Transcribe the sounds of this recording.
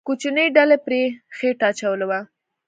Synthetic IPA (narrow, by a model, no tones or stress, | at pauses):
kot͡ʃinəjɖalepɾexeʈaːt͡ʃawəlewa